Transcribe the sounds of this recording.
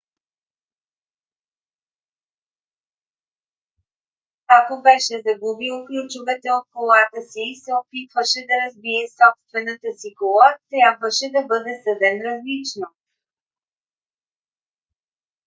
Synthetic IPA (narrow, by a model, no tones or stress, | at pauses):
akobɛʃɛzɐɡubilˠklʲut͡ʃʊvɛt̪ɛot̪̚kolˠat̪əsiːsɛopit̪vəʃɛd̪ɐɾɐzbiɛsɔpst̪vɛnət̪əsikolˠat̪ɾʲjabvəʃɛd̪ɐbɤd̪ɛsəd̪ɛnɾɐzlit͡ʃno